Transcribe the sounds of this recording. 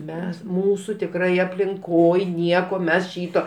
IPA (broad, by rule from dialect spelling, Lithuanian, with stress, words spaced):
ˈmʲɛs ˈmuːsuː tʲɪkˈrɐɪ ɐpʲlʲɪŋˈkoːj ˈnʲiɛkoː ˈmʲɛs ˈʃʲiːtoː